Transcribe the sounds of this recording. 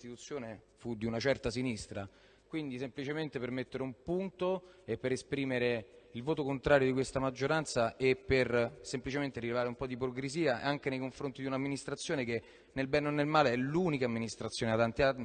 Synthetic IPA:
t̪it̪ut̪sːjoːne | fud̪iunat͡ʃɛrt̪asinist̪ɾa | kwind̪isemplit͡ʃement̪epermet̪ːeɾeumpunt̪oepːeɾespɾiːmeɾeilvoːt̪okont̪ɾaːɾjod̪ikwest̪amad͡ʒːoɾant̪saʔepːersemplit͡ʃement̪eɾilevaːɾeumpɔd̪ipɾokɾeziːa̰aŋk̟enejkoɱfɾont̪id̪iunamːinist̪ɾat̪sːjoːneke | nelbɛnonːelmaːleɛluːnikamːinist̪ɾat̪sːjoːneat̪ːant̪iai

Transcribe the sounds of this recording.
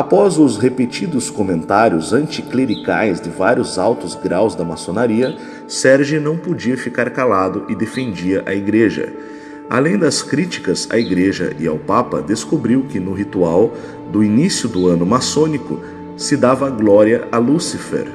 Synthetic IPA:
apɔzʊzhepet͡ʃid̪ʊskomẽnt̪aɾjʊzɐ̃nt͡ʃikleɾika̰jzd̪ɪvaɾjʊzawt̪ʊzɡɾawzd̪ɐmasonaɾiɐ | sɛɾʒinɐ̃w̃pod͡ʒiɐfikaɾkalad̪ʊʔɪd̪efẽnd͡ʒiɐʔɐiɡɾeʒɐ̰ | a̰lẽj̃d̪ɐskɾit͡ʃi̥kɐza̰iɡɾeʒɐ̰ʔɪa̰wpapɐ̰d̪eskobɾiwkɪnʊɦit̪uaw | d̪ʊinisjʊd̪ʊɐ̃nʊmasõnikʊ̰ | sɪd̪avɐɡlɔɾiɐalusifḛɾ

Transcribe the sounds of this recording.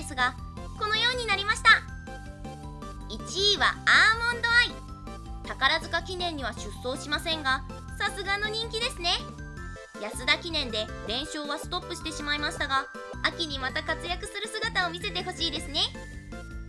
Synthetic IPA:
sɨɡa | ko̞no̞jo̞ːɲ̟inaɾʲimaɕi̥t̪a | it͡ɕiːβa̰aːmõ̞nd̪oai | t̪akaɾazɨkakʲinẽ̞ɲ̟ːiβ̞aɕɨsːo̞ːɕimasẽ̞ŋɡa | sasɨɡano̞ɲ̟ĩŋkʲid̪e̞sɨne̞ | jasɨd̪akʲinẽ̞nd̪e̞ | ɾẽ̞ɕo̞ːβasɨ̥t̪o̞pːɯ̟ɕi̥t̪e̞ɕimaimaɕi̥t̪aɡa | akʲiɲ̟imat̪akat͡sɨjakɯ̟sɨɾɯ̟sɨɡat̪ao̞mʲise̞t̪e̞ɦo̞ɕiːd̪e̞sɨne̞

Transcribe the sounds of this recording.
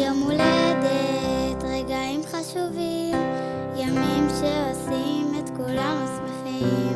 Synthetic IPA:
jomoled̪eet̪ʁeɡaimχaʃuvim | jamimʃeo̞simet̪kulamasmeχim

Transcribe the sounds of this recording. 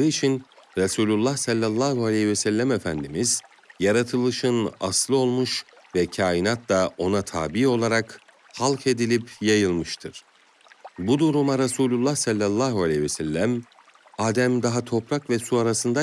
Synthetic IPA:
ɯit͡ʃʰinɾasuːlʲulˠːahsalʲːalˠːaːɦualʲɛhivɛsɛlʲːæmefænd̪imiz̥ | jaɾat̪ʰɯlˠɯʃɯna̰slˠɯo̞lˠmuʃvɛcʰaːjinat̪laʔo̞nat̪ʰaːbio̞lˠaɾak | halˠkʰe̞d̪ilʲipjajɯlˠmɯʃt̪ʰɯɾ̥ | bud̪uɾumaɾasuːlʲulˠːahsalʲːalˠːaːɦualʲɛhvɛsɛlʲːæm | aːd̪æmd̪aɦat̪ʰo̞pɾakvɛsuaɾasɯnd̪a

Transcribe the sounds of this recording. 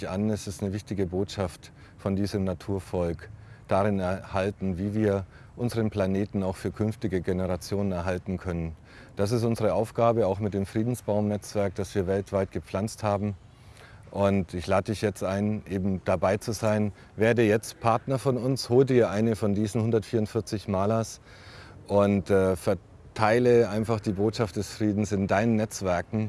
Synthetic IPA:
çʔanɛsɪstnəvɪçtɪɡəboːtʃaft | fɔndiːzəmnatʰuːɐfɔlkd̥aʁɪnɛɐhaltn̩viːviːɐ | ʔʊnzəʁənpl̥aneːtn̩aʊxfyːɐkʰʏnftɪɡəɡenəʁat͡sjoːnənɛɐɦaltn̩kʰœnən | d̥as̬ɪstʊnzəʁəʔaʊfɡ̥aːbəaʊxmɪt̚d̥eːmfʁ̥iːdn̩sb̥aʊmnɛt͡sv̥ɛɐk̚d̥asv̥iːɐvɛltv̥aɪt̚ɡ̥əp͡fl̥ant͡sthaːbm̩ | ʔʊntɪçlaːdədɪçjɛt͡stʔaɪnʔeːbm̩d̥abaɪt͡suzaɪn | veːɐdəjɛt͡stpʰaɐtnɐfɔnʊnshoːldiːɐʔaɪnəfɔndiːzn̩hʊndɐtfiːɐʊntfɪɐt͡sɪçmaːlɐs | ʔʊntɛːfɛɐ | tʰaɪləʔaɪnfaχd̥iːboːtʃaftd̥ɛsfʁ̥iːdn̩sɪndaɪnənːɛt͡sv̥ɛɐkŋ̩

